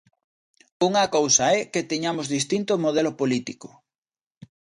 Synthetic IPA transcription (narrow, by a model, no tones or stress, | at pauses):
uŋɐkowsɐɛket̪eɲamʊzðist̪int̪ʊmoð̞ɛlʊpolit̪ikʊ̥